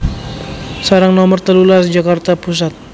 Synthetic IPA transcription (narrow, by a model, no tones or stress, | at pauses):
saɾaŋnɔmərt̪əlulasd͡ʒakart̪apus̬at̪̚